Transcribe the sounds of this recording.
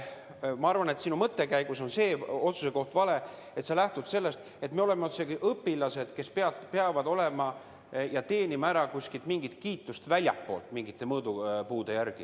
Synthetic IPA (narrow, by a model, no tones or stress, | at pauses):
mɑɑrvɑne̞t̪sinumɤt̪ːe̞kæjɡ̥uso̞nse̞ːo̞t̪suse̞ko̞ht̪vɑle̞ | e̞t̪selæht̪ud̪̥se̞lːe̞st̪ | e̞t̪me̞o̞le̞meot̪sekiʔɤpːilɑse̞d̪̥ke̞speɑt̪pe̞ɑvɑd̪o̞le̞mɑ | jɑt̪e̞ːnimɑæɾɑkusʲkilt̪miŋɡ̥it̪kiːt̪ːˑust̪vælʲjɑ̰pːo̞̰ːlt̪ˑmiŋɡit̪ˑːe̞mɤːd̪upuːd̪̥e̞jærɡ̥i